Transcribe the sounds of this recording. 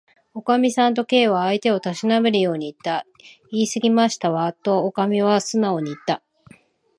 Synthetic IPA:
o̞kamʲisãnt̪o̞ke̞ːβaːit̪e̞o̞t̪aɕinabeɾɯ̟jo̞ːɲ̟iːt̪ːa | iːsɨɡʲimaɕi̥t̪aβat̪o̞ːkamʲiβ̞asɨnao̞ɲ̟iːt̪ːa

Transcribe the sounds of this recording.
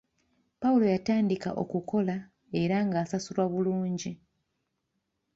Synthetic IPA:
paulo̞jataːndika̰ʔo̞̰kuko̞la | e̞ɾaŋɡaːsasulwaβuluːɲɟi

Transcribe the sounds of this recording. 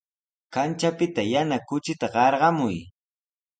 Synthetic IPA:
kant͡ʃapɪt̪ajanakʊt͡ʃɪt̪aɢɑɾɢɑmʊj

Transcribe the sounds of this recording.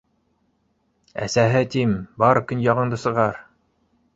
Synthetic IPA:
æ̰sæɦɘt̪imbɑɾkɵ̆njɑʁɤ̆ɴd̪ɤsɤ̆ʁɑɾ

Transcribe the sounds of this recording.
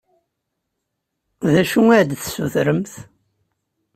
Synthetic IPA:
ðæʃuæɾd̪θsuθɾəmθ

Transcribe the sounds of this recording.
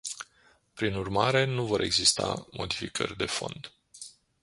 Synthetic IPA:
pɾinurmaɾe̞nuvo̞ɾʔe̞ɡzist̪a̰mʔo̞d̪ifikʰə̰rʲd̪e̞fo̞̰nd̪

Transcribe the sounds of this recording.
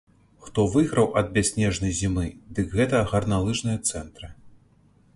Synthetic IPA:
xt̪ɔvɨɣɾɐwʔɐd̪̚bʲasʲnʲɛʐnɐjzʲimɨd̪ɨkɣɛt̪ɐɣɐrnalˠɨʐnɨjɐt̪sɛnt̪ɾɨ

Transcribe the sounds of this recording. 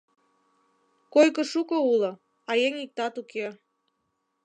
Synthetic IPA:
kojkə̆ʃukəulɤ̆ | ɑjeŋik̚t̪ɑt̪uke

